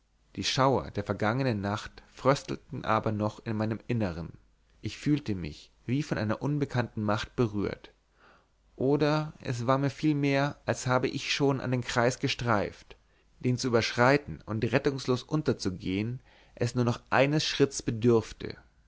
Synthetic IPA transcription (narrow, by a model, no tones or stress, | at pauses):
d̥iːʃaʊɐ̰deːɐfɛɐɡaŋənənːaχtfʁ̥œstl̩tn̩ʔa̰ːbɐnɔχɪnmaɪnəmʔɪnəʁən | ʔɪçfyːltəmɪ̰ç | v̥iːfɔnʔaɪnɐʔʊnbəkʰantn̩maχt̚b̥əʁy̰ːɐt | ʔoːdɐʔɛ̰sv̥aːɐmiːɐfiːlmeːɐʔalshaːbəʔɪçʃoːnʔa̰ndeːnkʁ̥aɪsɡ̥əʃtʁ̥aɪft | d̥eːnt͡suʔyːbɐʃʁ̥aɪtn̩ʊntʁɛtʊŋsloːsʔʊntɐt͡suɡeːən | ʔɛsnuːɐnɔχʔa̰ɪnəsʃʁ̥ɪtsb̥ədʏɐftʰə̰